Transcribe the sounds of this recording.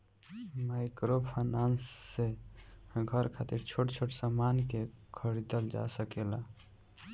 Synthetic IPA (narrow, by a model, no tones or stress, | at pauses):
majkɾopʰanansːe | ɡʱəɾkʰat̪iɾt͡ʃʰoʈt͡ʃʰoʈsamankekʰəɽit̪əld͡ʒa̰səkela